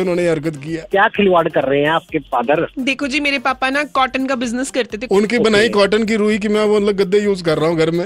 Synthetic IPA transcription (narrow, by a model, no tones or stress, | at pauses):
ʊnɦõːneɐɾkət̪kijaːkjaːkʰɪliʋaːɖkɐɾːɐɦeɦɛ̃aːp̚kepaːd̪əɾd̪eːkʰod͡ʒiːmeːɾepaːpanakɔːʈənkabɪznəskɐɾt̪et̪ʰeʊnkibɐnaːikɔːʈənk̬iɾuːɦik̬imɛ̃oɐt̪ləɡɡɐd̪ːejuːzkɐɾːaːɦũɡʱɐɾmẽː